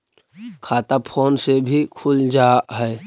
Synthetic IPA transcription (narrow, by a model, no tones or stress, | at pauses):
kʰaːt̪apʰoːnsebʱikʰʊld͡ʒaːɦɛː